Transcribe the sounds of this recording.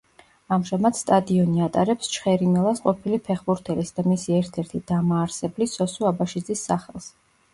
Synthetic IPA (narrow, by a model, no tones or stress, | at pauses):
amʒamad̪̥st̪ʼad̪iɔniat̪ʼaɾɛpst͡ʃʰχɛɾimɛlˠasqʼɔpʰilipʰɛχbuɾt̪ʰɛlisd̪̥amisiɛɾt̪ʰɛɾt̪ʰid̪̥amaːɾsɛblisɔsuabaʃid̪zisːaχɛlˠs